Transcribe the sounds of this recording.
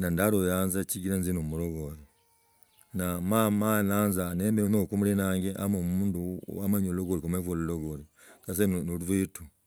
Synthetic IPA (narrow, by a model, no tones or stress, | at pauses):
nandaɾojanzaciɡiɾanzinomuɾoɡoji | namamananzanembenokumulinaŋɡeʔa̰momuːndṵwamaɲoloɡoɾikomevoluloɡoli | kas̬ennoluvitu